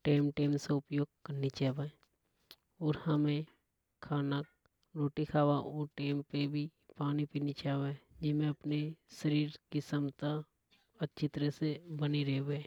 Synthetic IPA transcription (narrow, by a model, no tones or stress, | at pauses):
ʈeːmʈeːmseʊpjoːɡ̚kəɾnit͡ʃaːbae | ɔːɾhəmẽ | kʰːaːnak̚ | ɾoːʈikʰaːʋaʔɔːɾʈeːmpebʱipaːnipinit͡ʃaːʋad͡ʒɪmẽɐpneʃəɾiːɾkɪsəmt̪a | ətːt͡ʃʰit̪əɾəsebəniɾeːʋeː